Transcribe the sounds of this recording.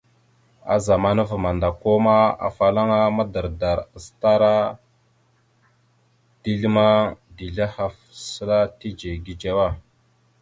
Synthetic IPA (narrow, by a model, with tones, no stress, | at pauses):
a̰˨za˨ma˦nə˦vma˨nda˨ko˦ma˦a̰˨fa˨la˦ŋa˦ma˦də˨ɾda˨ɾsta˦ɾa˦ | di˦ɮi˦ma˦di˨ɮa˦ha˨f | sə˦la˦ti˦d͡ʒe˨ɡi˨d͡ʒa˦wa˦